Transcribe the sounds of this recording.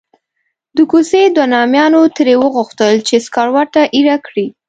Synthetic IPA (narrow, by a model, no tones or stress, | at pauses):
d̪əkused̪wanɑmjɑnot̪əɾewəɣʊxt̪əlt͡ʃeskɑɾwɑʈaʔiɾakɽi